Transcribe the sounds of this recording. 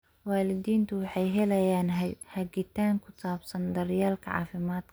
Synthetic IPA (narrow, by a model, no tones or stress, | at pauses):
waːlɪd̪iːnt̪ʰʊwɑħɑjɦɛlɐjaːnhɐɡɪt̪ʰaːŋkʰʊsaːbsɐnd̪ɐɾjaːlkʰɐ̰ʕɑ̰ːfɪmaːd̪kʰɐ̥